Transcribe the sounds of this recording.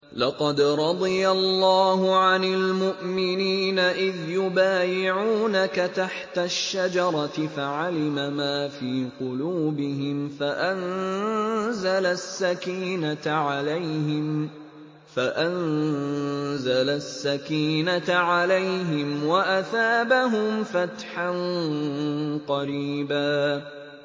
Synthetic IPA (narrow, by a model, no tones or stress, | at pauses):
lɑqɑd̪ɾˤɑd̪ˤɨjalːɑːɦʊʕanɪlmʊʔmɪniːnaʔɪðjʊbaːjɪʕuːnakat̪aħt̪aʃːad͡ʒɑɾˤɑt̪ɪfaʕalɪmamaːfiːqʊluːbɪɦɪmfaʔan | zalasːakiːnaʕalajhɪm | faʔan | zalasːakiːnatʕalajɦɪmwaʔaθaːbaɦʊmfat̪ħan | qɑɾiːbaː